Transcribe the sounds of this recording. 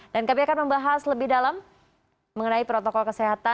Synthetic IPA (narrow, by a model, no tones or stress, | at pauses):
dankabiakanməmbaɦasləbɪhdalamː | əŋənaipɾot̪okɔlkəseɦat̪a